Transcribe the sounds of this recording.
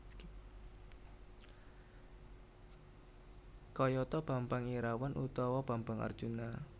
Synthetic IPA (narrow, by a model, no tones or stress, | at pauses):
kɔjɔt̪ɔb̥a̤mpaŋiɾawanʔut̪ɔwɔb̥a̤mbaŋa̰rd̥ʒ̥una